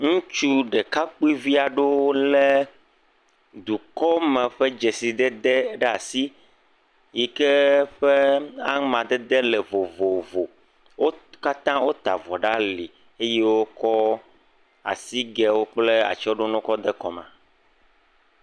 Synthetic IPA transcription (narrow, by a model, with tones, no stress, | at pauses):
ŋũ˦t͡ʃu˦ɖɛ˨ka˦k͡pu˦i˦vi˦a˨ɖo˦lɛ˦ | d̪u˨kɔ˦mɛ̃˨ɸɛ˦d͡ʒe˨si˨d̪ɛ˦d̪ɛ˦ɖɛ˦a˨si˦ | ji˨kɛ˦ɸe˦a˦ŋmã˨d̪ɛ˦d̪e˦lɛ˨vo˨vo˨vo˨ | wo˦ka˦t̪ã˦wo˦t̪a̰˨vɔ˨ɖa˦li˨ | e˦je˦wo˦kɔ˦ | a̰˨si˦ɡɛ˨wo˦k͡ple˦a̰˨t͡ʃɔ˦ɖo˦nɔ̃˦kɔ˦d̪ɛ˦kɔ˨mã̰˨